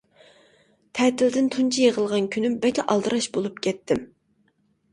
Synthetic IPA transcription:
t̪ʰɛt̪ɪld̪ɪnt̪ʰunt͡ʃʰijeʁəlˠʁɑnkʲʰynymbɛkʲʰɛʔɑlˠd̪ɨɾɑʃbolˠup̚kʲʰɛt̪ʰːɪm

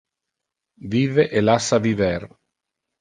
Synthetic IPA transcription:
viːveʔelasːavivɛɾ

